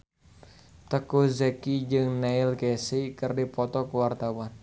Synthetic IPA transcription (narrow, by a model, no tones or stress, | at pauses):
t̪əkuzekid͡ʒɨŋnɛɪlkesikərdipɔt̪ɔkəwart̪awan